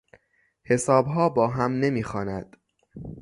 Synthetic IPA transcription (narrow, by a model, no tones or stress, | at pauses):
he̞sɒːbɦɒːbɒːɦæmne̞miːxɒːnæd̪̥